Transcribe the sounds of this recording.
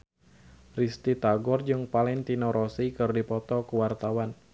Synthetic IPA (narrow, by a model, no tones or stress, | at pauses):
rist̪it̪aɡɔrd͡ʒɨŋpalɛnt̪inɔɾʔɔsikɨrdipɔt̪ɔkuwart̪awan